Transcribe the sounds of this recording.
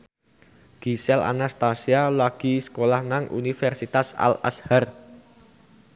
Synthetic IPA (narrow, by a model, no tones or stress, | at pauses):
ɡ̥isɛla̰nast̪asialwaɡ̥i̤sə̥kolahnaŋʔṵnifɛrsit̪asa̰la̰shar